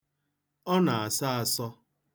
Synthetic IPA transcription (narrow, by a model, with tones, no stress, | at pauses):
ɔ˦na˨a˨sa˦a˨sɔ˦